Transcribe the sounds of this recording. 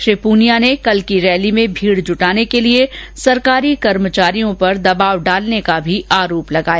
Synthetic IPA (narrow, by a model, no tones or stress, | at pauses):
ʃɪpuːnijanekɐlkiɾɛːlimẽbʱiːɽd͡ʒʱʊʈaːnekeliesɐɾkaːɾikɐɾmət͡ʃaːɾijõpɐɾd̪ɐbaːʋɖaːlnekabʱiʔaːɾoːplɐɡaːja